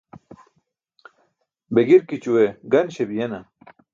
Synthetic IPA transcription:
beɡiɾkit͡ɕuweɡɐnɕebijenɐ

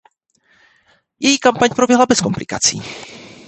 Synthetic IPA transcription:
jɛjiːkampaɲpɾobjɛɦlabɛsko̞mplɪkat͡sḭː

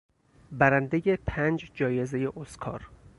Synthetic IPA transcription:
bæɾænd̪ejepʰænd͡ʒd͡ʒɒːje̞zeje̞ʔoskʰɒ̰ːɾ

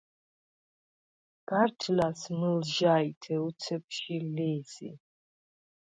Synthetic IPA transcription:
ɡ̥artʰlasmɨlʒajtʰɛut͡sʰɛpʰʃilɛzḭ

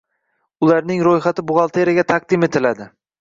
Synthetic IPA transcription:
ʊlaɾnɪŋɾojχat̪ɪbʊʁɑlˠt̪ʰeɾaɡʲat̪ʰaq̚d̪ɪme̞t̪ʰɪlad̪ɪ

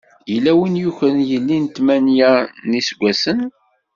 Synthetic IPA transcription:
jəlːæwinjuçɾənjəlːint̪mænjænisɡʷːæsən

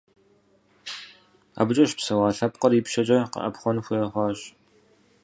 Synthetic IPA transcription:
a̰ːbʊt͡ʃʼɐʃpsɐwɑːɬɐpqɐriːpʃɐd͡ʒʼɐqə̰ʔɐ̰pχʷɔnxʷʊjɐχʷɑːɕ

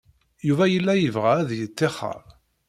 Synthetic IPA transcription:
juvæjəlːæjəvʁææðjət͡sːeχːə̰ɾˤ

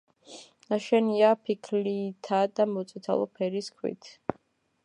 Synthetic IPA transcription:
naʃɛniapʰikʰlit̪ʰad̪amɔt̪sʼit̪ʰa̰lˠɔ̰pʰɛɾiskʰwḭt̪ʰ

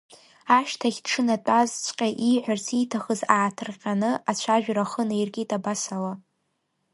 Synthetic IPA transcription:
aʃtʰaχʲd̥ʈ͡ʂʰɨnatʷʼazt͡ʃʷʰʼqʲʼaʔiħʷᶣarsʰitʰaχəzaːtʰɨrqʲʼanɨʔat͡ɕʷʰaʒᶣraχənɨirɡʲitʼabasala

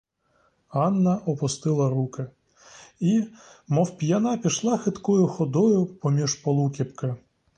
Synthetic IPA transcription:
ɑnːɐʔɔpʊst̪ɪlˠɐɾukɪ | imɔwpʲjanapʲiʃlˠɑxɪt̪kɔjʊxɔd̪ɔjʊpɔmʲiʃpɔlˠukʲipkɪ

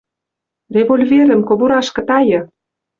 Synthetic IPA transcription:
rʲevolʲveɾə̆mkoβuɾɑʃkɤ̆t̪ɑjɤ̆

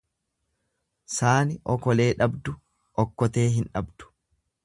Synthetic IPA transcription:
saːnɪʔɔkɔle̞ːᶑɐbd̪ʊ | ʔɔkːɔt̪e̞ːɦɪnᶑɐbd̪̥ʊ̥

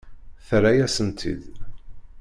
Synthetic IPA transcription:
θɾæjæsənt̪ʰḭd̪

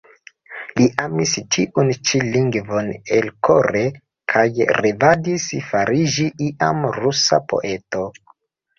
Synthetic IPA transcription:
liʔamist͡ʃiʔunt͡ʃiliŋɡvo̞nelkʰoɾe̞ | kʰajɾevadisfaɾid͡ʒiʔiʔa̰mɾusa̰po̰ʔe̞to̞

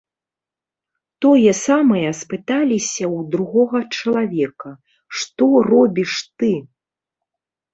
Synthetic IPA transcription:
t̪ɔjɛsamɐjɐspɨt̪alʲisʲɐwd̪ɾuɣɔɣɐt͡ʂɐlˠavʲɛkɐ | ʂt̪ɔrɔbʲiʂt̪ɨ

